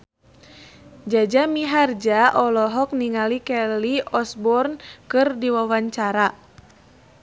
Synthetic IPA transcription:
d͡ʒad͡ʒamiɦard͡ʒaʔɔlɔɦɔk̚niŋalikɛliɔsbɔrnkɨrdiwawaɲt͡ʃaɾa

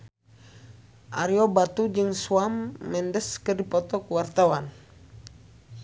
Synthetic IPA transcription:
ʔaɾiɔbat̪ud͡ʒɨŋsuamːɛndəskərdipɔt̪ɔkwart̪awan

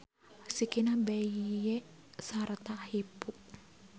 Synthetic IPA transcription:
sikinabɛije | sart̪ahipuʔ

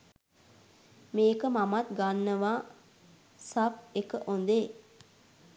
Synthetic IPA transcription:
meːkəmamat̪ɡanːəʋaː | sap̚ekəʔond̪e

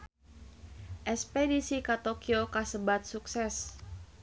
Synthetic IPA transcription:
ʔɛspedisikat̪okiokasəbat̪̚suksɛs

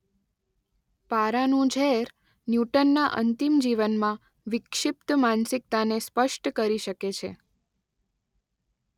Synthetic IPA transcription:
paɾanũd͡ʒʱɛɾ | njuʈənːaʔə̰nt̪imd͡ʒiʋənmã | ʋɪkʃɪp̚t̪mansɪk̚t̪anespəʃʈkəɾiʃəket͡ʃʰḛ

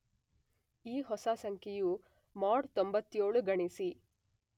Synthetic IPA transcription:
iːɦɔsaːsɐŋkʰiju | maːɖt̪ombɐt̪ːjoːɭuɡɐɳisi

